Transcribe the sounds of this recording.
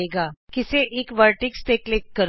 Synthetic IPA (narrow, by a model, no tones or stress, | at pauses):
eɡakiseʔekʋəɾʈikst̪eklekːəɾ